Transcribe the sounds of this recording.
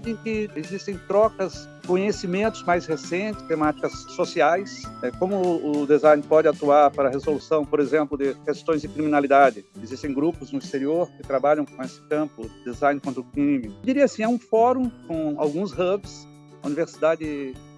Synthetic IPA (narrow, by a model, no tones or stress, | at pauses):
ẽkɪezist̪ẽj̃t̪ɾɔkɐs | kõɲesimẽnt̪ʊzmajshesẽnt͡ʃ̪ɪ̥st̪emat͡ʃi̥kɐsːosiajsɛkõmʊʊd̪ezãj̃npɔd͡ʒɪat̪uaɾpaɾɐɦezolusɐ̃w̃poɾezẽmplʊd̪ɪkest̪õj̃zd͡ʒ̪ɪkɾimĩnalid̪ad͡ʒɪezist̪ẽj̃ɡɾupʊznʊist̪eɾioɾkɪt̪ɾabaʎɐ̃w̃kõesɪ̥kɐ̃mpʊd̪ezãj̃nɪkwɐ̃nt̪ɾʊkĩmɪd͡ʒ̪iɾiɐasĩɛũfɔɾũkõa̰wɡũshɐbs | ɐṵniveɾsid̪ad͡ʒɪ